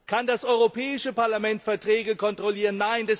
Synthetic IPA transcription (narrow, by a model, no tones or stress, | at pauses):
kʰandasʔɔʏʁopʰɛːɪʃəpaɐlamɛntfɛɐtʁ̥ɛːɡəkʰɔntʁ̥oliːʁ̞ənːaɪndɛs